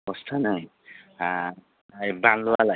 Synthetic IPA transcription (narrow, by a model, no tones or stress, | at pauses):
ɔstʰanaj | a | jbanlɔwala